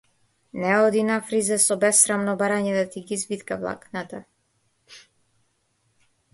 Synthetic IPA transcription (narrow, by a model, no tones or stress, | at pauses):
nɛɔd̪inafɾizɛsɔbɛsːɾamnɔbaɾaɲɛd̪at̪iɡizbit̪kavlˠa̰knat̪a